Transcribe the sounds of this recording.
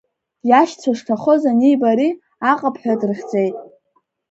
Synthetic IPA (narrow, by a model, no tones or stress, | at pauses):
jaʃt͡sʷʰaʂtʰaχozanijbaɾi | aqʼapʰħʷᶣadɨrχʲd͡zʼejtʼ